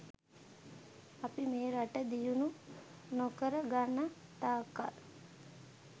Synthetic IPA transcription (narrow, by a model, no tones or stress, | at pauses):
apimeːɾaʈəd̪ijunu | nokəɾəɡanːət̪aːkal